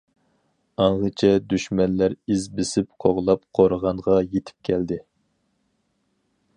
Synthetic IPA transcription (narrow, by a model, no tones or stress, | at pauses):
ɑɴʁət͡ʃʰɛd̪yʃmɛnːæɾizbɪsɪpqʰoʁlˠɑp̚qʰoɾəʁɑnʁɑjet̪ʰɪ̥p̚kʲʰɛld̪ɪ